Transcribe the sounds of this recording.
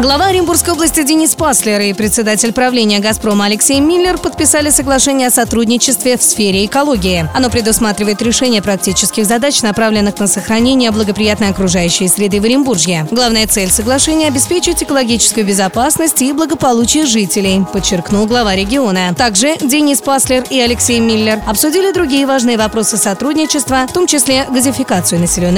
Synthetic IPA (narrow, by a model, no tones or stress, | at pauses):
ɡlˠɐvaɾʲɪmburskəjolˠəsʲtʲɪdʲɪnʲispaslʲɪɾɪpɾʲɪt̪sʲɪd̪atʲɪlʲpɾɐvlʲenʲɪjəɡɐspɾo̞məɐlʲɪksʲejmʲilʲːɪrpət̪̚pʲɪsalʲɪsəɡlˠɐʂɛnʲɪjəɐsɐt̪ɾudʲnʲɪt͡ɕɪst̪vʲɪfsfʲeɾʲɪːkɐlˠo̞ɡʲɪɪɐno̞pɾʲɪd̪ʊsmat̪ɾʲɪvəjɪt̪ɾʲɪʂɛnʲɪjəpɾɐk̚tʲit͡ɕɪskʲɪɣzɐd̪at͡ɕnɐpɾavlʲɪnːɨxnəsəxɾɐnʲenʲɪjəblˠəɡəpɾʲɪjat̪nəjɐkɾʊʐajʉɕːɪjəsʲɾʲɪd̪ɨvəɾʲɪmburʐjʲɪɡlˠavnəjət̪sɛlʲsəɡlˠɐʂɛnʲɪjəɐbʲɪspʲet͡ɕɪtʲɪkəlˠɐɡʲit͡ɕɪ̥skʊjʊbʲɪzɐpasnəsʲtʲiblˠəɡəpɐlˠut͡ɕɪjəʐɨtʲɪlʲɪjpət͡ɕːɪrknulˠɡlˠɐvaɾʲɪɡʲɪo̞nət̪aɡʐɨdʲɪnʲispaslʲɪriɐlʲɪksʲejmʲilʲːɪrɐpsʊdʲilʲɪd̪ɾʊɡʲijəvaʐnɨjəvɐpɾo̞sɨsɐt̪ɾudʲnʲɪt͡ɕɪst̪vəft̪o̞mt͡ɕɪsʲlʲeɡəzʲɪfʲɪkat̪sɨjʊnəsʲɪlʲonː